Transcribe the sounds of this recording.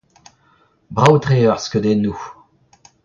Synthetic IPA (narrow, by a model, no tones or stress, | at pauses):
bʁawt̪χeːœʁskød̪enːu